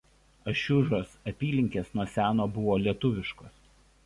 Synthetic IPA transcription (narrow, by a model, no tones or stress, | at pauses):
ɐʃʲʊʒoːsɐpʲiːlʲɪŋʲkʲeːsnuɔsʲæːnoːbʊʋoːlʲiɛt̪ʊʋʲɪʃkoːs